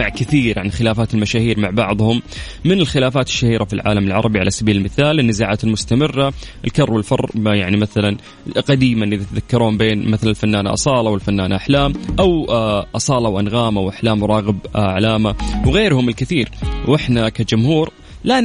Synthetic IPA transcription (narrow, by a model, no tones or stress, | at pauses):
aʕkɪθiːɾʕanxɪlaːfaːt̪ɪlmaʃaːhiːɾmaʕbɑʕðˤhʊmː | ɪnɪlxɪlaːfaːt̪ɪ̥ʃːahiːɾafilʕa̰ːlamɪlʕɑ̰ɾˤɑbiʕa̰lasabiːlɪlmɪθaːlɪnːɪzaːʕaːt̪ɪlmʊst̪amɪrːaʔɪlkɑrˤːwɪlfɑ̰rˤːjaʕnimaθalan | qɑd̪iːmaʔɪðat̪aðakːɑɾˤoːmbeːnmaθalanɪlfanːaːna̰ʔɑ̰sˤɑːlɑwɪlfanːaːnaʔaħlaːmʔawʔɑsˤɑːlɑwʔanɣaːmawʔaħlaːmwɾˤɑːɣɪbʕalaːmawɣeːɾhʊmɪlkɪθiːɾwʔɪħnakad͡ʒʊmhuːɾ | la